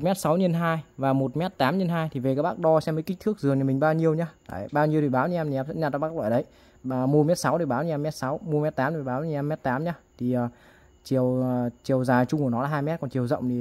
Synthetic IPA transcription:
t̚mɛ˦˥t̚sa˨˦wɲə˧nɦaː˧jvaː˨˩mo˨˩t̚mɛ˦˥t̚t̪aː˨˦mɲə˧nɦaː˧jt̪ʰi˨˩ve˨˩k̚ːɓaː˦˥k̚ɗɔ˧sɛ˧mə˨˦jkï˦˥t̪ʰɨ˦˥ək̚zɨ˨˩əŋɲa˨˧mi̟˨˩ɓaː˧wɲi˧əwɲaː˧ta̰ː˧˩jɓaː˧wɲi˧əwt̪i˨˩ɓaː˨˦wɲi˧ʔɛ˧mʰi˨ɛ˧msə̰˧˥ɲa˧t̪aː˧˩ɓaː˦˥k̚ɓa̰ː˧˩ɗə˨˦j | əː˨˩mu˧mɛ˦˥t̚sa˨˦wt̪ə˨˩ɓaː˨˦wɲi˧ʔɛ˧mɛ˦˥t̚sa˨˦wmu˧mɛ˦˥t̚t̪aː˨˦mt̪ʰːɓaː˨˦wɲ˧˩ʔɛ˧mɛ˦˥t̚t̪aː˨˦mɲa˧t̪ʰi˨˩əː˨˩ | t͡ɕi˨˩əwt͡ɕi˨˩əwzaː˨˩t͡ɕʊ˧ŋ͡mku˧˩nɔ˨˦laː˨˩ɦaː˧jmɛ˦˥t̚kɔ˨˩nt͡ɕi˨˩əwzə̰˧˨wŋ͡mt̪i˨˩

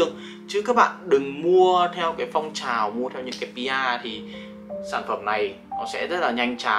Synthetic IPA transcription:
əŋ | t͡ɕɨ˨˦kaː˦˥k̚ɓa̰ː˧˨nɗɨ˨˩ŋmu˧ət̪ʰɛ˧wkaː˨˦jfa˧wŋ͡mt͡ɕaː˨˩wmu˧ət̪ʰɛ˧wɲɨ̰˧˥ŋkaː˨˦jpi˧ʔaː˧t̪ʰi˨˩ | saː˧˩nfə˧˩mna˨˩j | nɔ˨˦sɛ̰˧˥zə˦˥t̚laː˨˩ɲa˧jŋ̟t͡ɕa˨˩

